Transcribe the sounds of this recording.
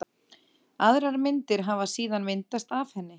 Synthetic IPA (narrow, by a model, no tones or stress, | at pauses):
aðɾaɾmɪnt̪ɪɾɦaːvasiːðanmɪnt̪ast̪afhɛnːɪ